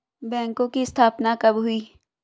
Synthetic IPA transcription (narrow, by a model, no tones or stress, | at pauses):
bɛ̃ːŋkõkiɪst̪ʰaːpnakɐbɦʊiː